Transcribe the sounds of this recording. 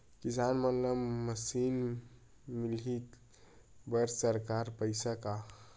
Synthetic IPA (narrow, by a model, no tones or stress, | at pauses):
kisanmət̪ləbməsin | milit̪ | bəɾsəɾkaɾpəjsaka